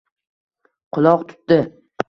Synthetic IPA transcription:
qʰʊlˠɒqt̪ʰʊ̥t̪̚d̪ɪ

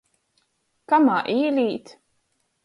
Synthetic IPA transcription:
kamaːʔiːlʲiːt̪

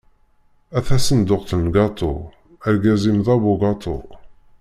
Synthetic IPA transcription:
æθæsənd̪ʊqθənɡɑt̪ˤo̰ | æɾɡæzimðɑbuɡɑt̪ˤo̰

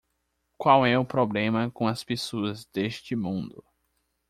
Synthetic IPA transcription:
kwawɛʊpɾoblẽmɐkõɐspesoɐzd̪eʃt͡ʃɪmũnd̪ʊ

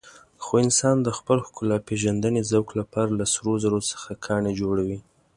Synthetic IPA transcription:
xoɪnsɑnd̪əxpəlxkʊlapeʒand̪ənezawklapɑɾalasɾozaɾosə̥xakʰɑɳed͡ʒoɽawi

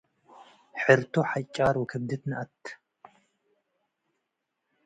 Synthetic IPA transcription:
ħɨɾt̪ʰoħajt͡ʃʼaɾwɨkʰɨbd̪ɨt̪nɐʔat̪ː

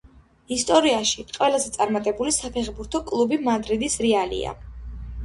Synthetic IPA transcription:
ist̪ʼɔɾiaʃiqʼwɛlˠazɛt̪sʼaɾmat̪ʼɛbulisapʰɛχbuɾt̪ʰɔkʼlˠubimad̪ɾid̪isɾialḭa̰

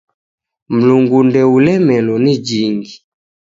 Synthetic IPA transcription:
m̩luŋɡundɛulɛmɛlɔnid͡ʒiŋɡi

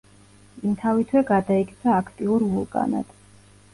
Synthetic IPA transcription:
imt̪ʰavit̪ʰwɛɡad̪aik̪ʼʰaːkʰt̪ʼiuɾvulˠkʼa̰na̰d̪̥ʰ

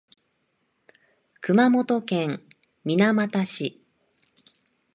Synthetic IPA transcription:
kɯ̟mamo̞t̪o̞kẽ̞ŋ | mʲinamat̪aɕi

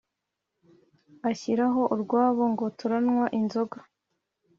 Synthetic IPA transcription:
açiɾaɦo̞ʔuɾɡwaːβo̞ŋɡo̞tuɾanŋwaʔinzo̞ɡa

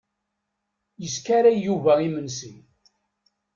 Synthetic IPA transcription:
jəskaɾæːuvæimənsin

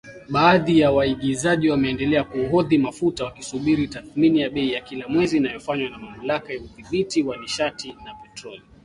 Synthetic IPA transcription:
ɓaːðijawaiɠizaʄiwamɛːndɛlɛakuɦɔðimafutawakisuɓiɾitaθminijaɓɛijakilamwɛziːnajɔfaɲwanamam̩lakajauðiɓitiwaniʃatinapɛtɾɔli

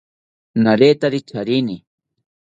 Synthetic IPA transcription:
naɾeːt̪aɾɪt͡ʃaɾɪnɪ

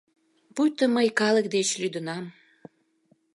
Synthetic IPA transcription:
pujt̪əməjkɑlək̚d̪et͡ɕlyd̪ənɑm

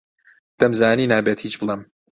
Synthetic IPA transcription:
d̪̥ɐmzaːniːnaːbeːt̪hiːt͡ʃbɨlˠem

